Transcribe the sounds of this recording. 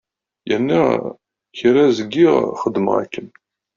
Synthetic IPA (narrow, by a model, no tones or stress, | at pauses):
jənːi | çiɾæzəɡːiʁχəd̪ːmə̰ʁæ̰kːən